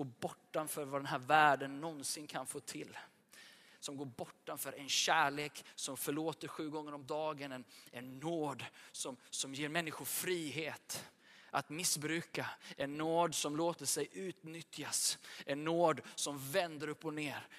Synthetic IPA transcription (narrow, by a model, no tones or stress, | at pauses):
oːbɔʈːanfœːɾvad̪ɛnɦæːɾvæːɖənːɔnsɪnkʰanfoːt̪ʰɪlː | sɔmɡoːɾbɔʈːamfœɾʔɛnɕæːɭeːksɔmfœɭoːt̪əɾɧʉ̟ːɡɔŋːəɾɔmd̪ɑːɡənɛnɛnːoːd̪sɔmsɔmjeːɾmɛnːɪxʊfɾiːɦeːt̪ | ʔat̪mɪsbɾʉ̟ːkaɛnːoːd̪sɔmloːt̪əʂɛjʔʉ̟ːt̪nʏt̪jasɛnːoːd̪sɔmvɛnd̪əɾɵpːɔneːɾ